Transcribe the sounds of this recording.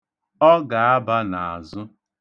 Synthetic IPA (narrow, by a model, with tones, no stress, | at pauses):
ɔ˦ɡa˨a˦ba˦na˨a˨zʊ˦